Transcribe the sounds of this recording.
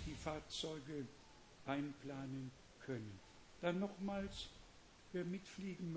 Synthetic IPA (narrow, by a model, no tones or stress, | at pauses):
d̥iːfaɐt͡sɔʏɡə | ʔaɪnplaːnən | kʰœnən | d̥anːɔχmaːls | viːɐmɪtfliːɡŋ̩m